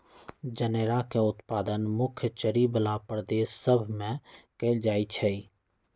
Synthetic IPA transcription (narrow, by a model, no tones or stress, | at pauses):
d͡ʒəneːɾakeʊt̪paːd̪ənmʊkʰjət͡ʃəɾibəlapɾd̪eːsːəbʱmẽkeld͡ʒaːit͡ʃʰɛi